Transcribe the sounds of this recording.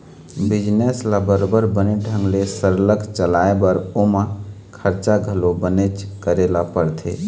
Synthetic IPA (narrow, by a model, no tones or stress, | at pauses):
bid͡ʒneslabəɾobəɾbəneɖʱə̃ŋɡlesəɾləkʰt͡ʃəlaebəɾomã | kʰəɾt͡ʃaɡʱəlobənet͡ʃkəɾelapəɾt̪ʰḛ